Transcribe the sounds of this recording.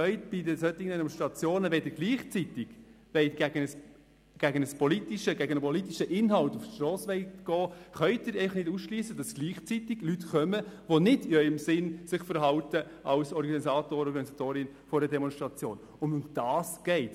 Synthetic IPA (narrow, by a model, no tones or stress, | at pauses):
œʏtb̥ɪdəsœtːɪɡəndɛmɔnsʃt̪ɾɑt͡sjoːnəʋɛdəɾɡliːχt͡sitɪɡ̥ | ʋɛɪtɡ̥æɡənəs | ɡ̥æɡənəspɔlitiʃəɡæɡənəpɔlit̪iʃəʔɪnɦɑltuftʃtɾɔːsʋɛɪtɡ̥ɔːχœʏtɪɾɛɪfɑχnɪdusʃliːsəd̥ɑsɡ̥liːχt͡sitɪɡ̥lytkœməʋɔnɪdɪœʏəmsɪnsɪχfəɾɦɑltə | ʔɑlsɔɾɡɑnisɑːtoːɾəɔɾɡɑnisɑt̪oːɾɪn | fɔɾdɛdɛmɔnʃtɾɑt͡sjo̰ːn | ʊnʊmd̥ɑːsɡ̥ɛɪt